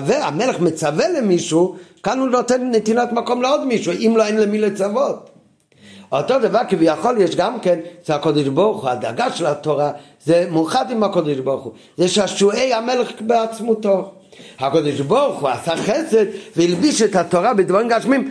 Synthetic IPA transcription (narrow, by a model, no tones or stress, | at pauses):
vɛamɛlɛχmət͡savɛlemiʃukanunotɛnnetinatmakɔmleɔdmiʃuʔimloenlɛmilet͡savot̪̚ | otodəvakɪvɪjaχɔljɛʃɡamkɛnʃɛakɔdɪʃbɔʁχuada̰ɡaʃɛlatoʁa | zɛmuχadimakɔdɪʃbɔʁχu | zɛʃaʃueɪamɛlɛχbeat͡smuto | hakɔdɪʃbɔʁχuasaχɛsɛd̪veilbiʃɛtatoʁabɪdvaʁimɡaʃmim